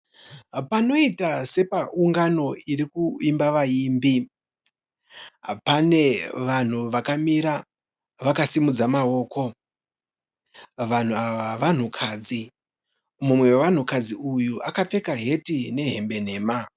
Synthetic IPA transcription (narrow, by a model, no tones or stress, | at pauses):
pano̞itase̞pauŋɡano̞irikuimbaʋaiːmbi | pane̞ʋan̤uʋakamiɾa | ʋakasimud͡zamao̞ːkʰo̞ | ʋan̤uaʋaʋan̤ukʰaːd͡zi | mumwe̞weʋan̤ukad͡ziujuʔakap͡fe̞kaɦe̞tine̞ɦe̞mbe̞n̤e̞ːma